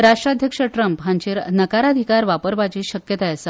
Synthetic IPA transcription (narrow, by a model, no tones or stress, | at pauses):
ɾaʂʈɾad̪ʱjəkʂəʈɾəmpɦãɲt͡ɕiːɾnəkaɾad̪ʱikaɾʋapəɾʋat͡ɕiːɕəkjət̪ajəsa